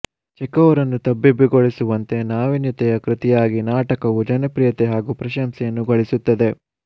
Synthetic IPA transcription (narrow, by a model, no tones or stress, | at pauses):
t͡ʃɛkɐʋɐɾɐnːut̪ɐbːibiɡoɭisuʋɐnt̪e̞naːʋinjɐt̪ɛjɐkɾɪt̪ijaːɡinaːʈɐkɐʋud͡ʒɐnɐpɾijɐt̪eɦaːɡuːpɾɐʃɐmsɛjɐnːuɡɐɭisut̪ːɐd̪e̞